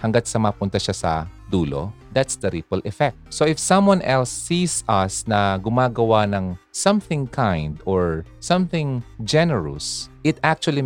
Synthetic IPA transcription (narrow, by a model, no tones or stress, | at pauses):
hɐŋɡat̪̚sɐmɐpʊnt̪ɐʃasɐ̰d̪uːlo̰ | d̪at̪sd̪ɐɾipɐlʔɛfɛk̚t̪̚soʔɪfsɐ̃mwãnʔɛlsːiːsʔɐsnɐɡʊmaːɡɐwanɐŋsɐ̃mθɪ̃ŋkʰãjnd̪ɔɹsɐ̃mθɪ̃ŋd͡ʒɛnɛɹʊ̰sʔɪt̪ak̚t͡ʃuɐli